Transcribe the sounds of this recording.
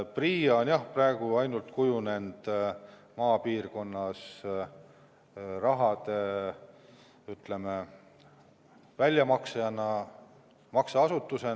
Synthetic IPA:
priːɑonjɑhprɑe̞ɡ̥uɑjnult̪kujune̞nd̪̥ | mɑːpiːrko̞nːɑs | rɑɦɑd̪e̞ | yt̪le̞me | vælʲjɑmɑksejɑnɑ | mɑksɑɑsut̪ːuse̞

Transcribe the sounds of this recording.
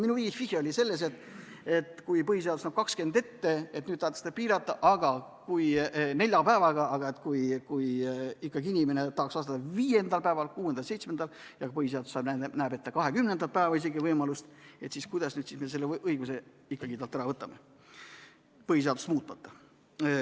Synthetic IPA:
minuviːɡihfihjeolʲise̞lːe̞s̬e̞t̪ | et̪kujpɤɦise̞ɑd̪usnɑb̥̚kɑkske̞nd̪e̞t̪ːe̞e̞t̪nyːd̪̚tɑht̪e̥st̪ɑpiːɾɑt̪ːˑɑʔɑɡ̥ɑ | kujne̞lʲjɑpæevɑɡ̥ɑɑɡ̥ɑe̞t̪kujkujikːˑɑɡiinʲimene̞t̪ɑhɑksvɑst̪ɑt̪ːɑviːje̞nd̪ɑlpæevɑlkuːend̪ɑlse̞jt̪smend̪ɑl | jɑɡ̥ɑpɤɦis̬eɑd̪usːɑbnænæːbe̞t̪ːɑkɑɦe̞kymne̞nd̪ɑt̪pæeːvɑis̬e̞ɡivɤjmɑlust̪e̞t̪siːskujd̪ɑsnyːd̪sismese̞lːeʔɤjɡuse̞ | ikːɑɡit̪ɑlt̪ːæɾɑvɤt̪ːˑɑme̞ | pɤɦis̬e̞ɑd̪ust̪muːt̪ːˑmɑt̪ːɑ̥

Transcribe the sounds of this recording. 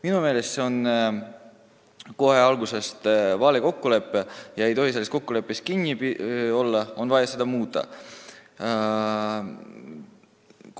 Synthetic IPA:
minume̞ːle̞st̪se̞o̞n | ko̞ɦe̞ɑlɡuse̞st̪vɑːleko̞kːule̞pːˑejɑe̞jt̪o̞ɦiseːesko̞kːule̞pːˑeskinʲːiio̞lːɑo̞nvɑjɑse̞d̪̥ɑmuːt̪ːˑɑ̰

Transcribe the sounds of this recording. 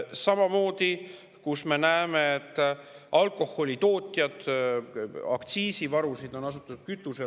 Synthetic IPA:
sɑmɑmo̞ːd̪̥i | kusme̞næemeet̪ːˑʔɑlkˑo̞ho̞lʲit̪o̞ːt̪ʲˑjɑd̪̥ | ɑ̰kt̪siːsivɑɾusid̪̥o̞nɑsut̪ːˑud̪̥̚kyt̪ːˑuse

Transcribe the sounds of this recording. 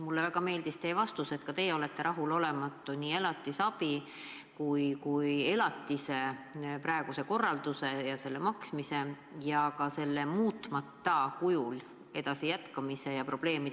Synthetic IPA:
mulːevæɡ̥ɑme̞ːld̪ist̪e̞ːvɑst̪use̞t̪kɑt̪e̞ːjo̞le̞t̪ːe̞ɾɑɦulo̞le̞mɑt̪ˑːunʲiːe̞lɑt̪ːˑisɑb̥i | kujkuje̞lɑt̪ːˑise̞pɾɑeɡ̥use̞ko̞rːɑld̪̥use̞jɑse̞lːe̞mɑksmise̞ | jɑkɑse̞lːemuːt̪ˑmɑt̪ːɑkujul | e̞d̪̥ɑsijæt̪kɑmise̞jɑpro̞b̥le̞ːmi

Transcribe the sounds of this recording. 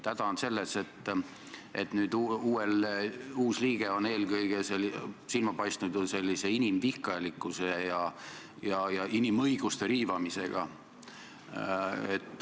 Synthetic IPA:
t̪æd̪̥ɑonse̞lːese̞t̪ːˑ | ʔe̞̰t̪nyːd̪uːeluːsliːɡ̥e̞o̞ne̞ːlkɤjɡ̥eselsilmɑpɑjst̪nud̪̥se̞lʲːise̞inimvihkɑelikːˑusejɑ | jɑjɑinimɤjɡ̥ust̪e̞ɾiːvɑmise̞̰ɡ̥ɑ̰ | et̪ːˑ

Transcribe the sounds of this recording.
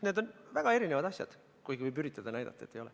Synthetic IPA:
ned̪o̞nvæɡ̥ɑe̞ɾinevɑd̪̥ɑsjɑ̰d̪̥ | kujɡivɯjbyɾit̪ːˑɑd̪̥ɑnæjd̪ɑ̰t̪ːɑet̪ːejo̞lɛ

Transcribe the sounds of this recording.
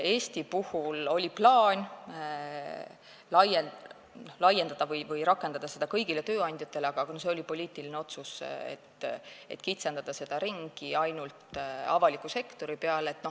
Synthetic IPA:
e̞ːst̪ipuhulo̞lʲiplɑːnʲ | lɑje | nohlɑje̞nd̪ɑd̪̥ɑvɤjvɤjɾɑkːˑe̞nd̪ɑd̪̥ɑse̞d̪̥ɑkɤjɡ̥ile̞t̪ø̞ːɑnʲd̪̥ʲjɑt̪ːˑe̞leɑɡ̥ɑɑɡ̥ɑnose̞o̞lʲipo̞lʲiːt̪iline̞o̞t̪susḛt̪ːe̞̰t̪ːˑkit̪se̞nd̪̥ɑd̪̥ɑse̞d̪̥ɑɾiŋɡ̥iɑjnult̪ɑvɑlikːˑuse̞kt̪o̞ɾipeɑleet̪ːno̞

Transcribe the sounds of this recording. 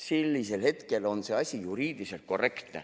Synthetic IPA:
selʲːise̞lhe̞t̪ke̞lo̞nse̞ɑsʲijuɾiːd̪̥ise̞lt̪̚ko̞re̞kt̪nḛ

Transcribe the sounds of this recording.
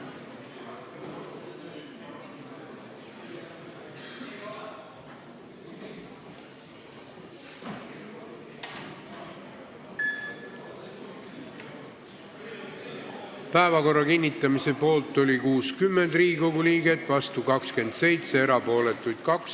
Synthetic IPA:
pæevɑko̞rːɑkinʲːit̪ˑːɑmise̞po̞ːlt̪ːˑo̞lʲikuːskymːend̪̥riːɡiko̞ɡuliːɡ̥et̪ˑvɑst̪ukɑkske̞nd̪̥se̞jt̪se̞eɾɑpo̞ːle̞t̪ːˑujd̪̥kɑks

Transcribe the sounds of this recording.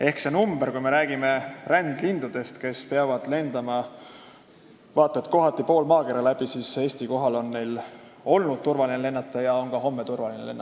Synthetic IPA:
e̞hksenumb̥e̞ɾkujme̞ɾæːɡ̥ime̞rænd̪̥lind̪̥ud̪̥e̞st̪ke̞speɑvɑd̪̥le̞nd̪̥ɑmɑ | vɑːt̪ːˑɑet̪ˑko̞ɦɑt̪ːˑipo̞ːlmɑːkeɾɑlæb̥isiːse̞ːst̪iko̞ɦɑlo̞nːe̞jl | o̞lnud̪̥̚t̪urvɑlinele̞nːɑt̪ːˑɑjɑo̞ŋɡɑɦo̞mːe̞t̪urvɑlinḛle̞nːɑ

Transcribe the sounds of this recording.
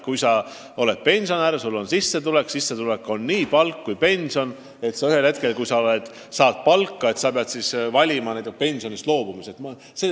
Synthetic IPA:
kujsɑ | o̞le̞t̪̚pe̞nʲsionæɾsulːo̞nsisːe̞t̪ule̞ksisːe̞t̪ule̞kːo̞nːiːpɑlkːujpe̞nʲsio̞n | e̞t̪sɑyhe̞lhe̞t̪ke̞lkujsɑo̞le̞d̪̥ | sɑːd̪̥̚pɑlkːɑe̞t̪sɑpeɑd̪̥sisvɑlʲimɑnejt̪ːˑukpe̞nʲsio̞nist̪lo̞ːb̥umiset̪mɑ | se

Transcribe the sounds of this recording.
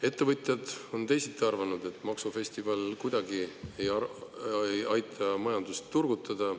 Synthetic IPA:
e̞t̪ːˑevɤt̪ʲˑjɑd̪̥o̞nt̪e̞jsit̪ːiɑrvɑnud̪̥e̞t̪ːˑmɑksufe̞st̪ivɑlkujd̪̥ɑɡie̞jɑ | jɑjt̪ʰɑmɑjɑnd̪̥ust̪ːurɡut̪ːˑɑd̪̥ɑ

